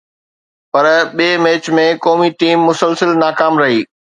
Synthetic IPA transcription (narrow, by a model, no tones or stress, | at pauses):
pɐɾɓiːmeːt͡ɕmẽkɔːmiʈiːmːʊsəlsəlnaːkaːmɾɐɦiː